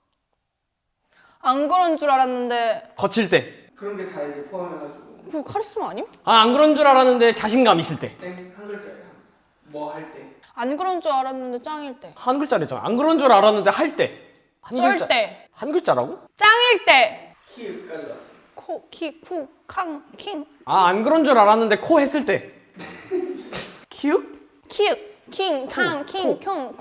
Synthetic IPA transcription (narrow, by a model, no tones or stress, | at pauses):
anɡɯɾʌnd͡ʑuɾaɾanːɯnde̞kʌt͡ɕʰiɭt͈e̞ | kɯɾʌnɡetaid͡ʑepʰoamʌnɦasuokukʰaɾes͈ɯmʌaɲi | aanɡɯɾʌnd͡ʑuɾaɾanːɯnde̞t͡ɕaɕʰinɡamis͈ɯɭt͈e̞hanɡɯɭt͡ɕ͈a | mʌhaɭt͈e | anɡɯɾʌnd͡ʑuaɾanːɯnde̞t͡ɕ͈aŋiɭt͈e̞hanɡɯɭt͡ɕ͈aɾed͡ʑa̰na̰a̰nɡɯɾʌnd͡ʑuɾaɾanːɯnde̞haɭt͈e̞ | hanɡɯɭt͡ɕat͈e | hanɡɯɭt͡ɕ͈aɾa̰ɡot͡ɕ͈aŋiɭt͈e̞ | kʰik͈a | kʰokʰikʰu | kʰaŋkʰiŋ | aanɡɯɾond͡ʑoɾaɾanːɯnde̞kʰohe̞s͈ɯɭt͈e̞ | kʰiuk̚ | kʰiuk̚kʰiŋkʰaŋkʰikʰoŋ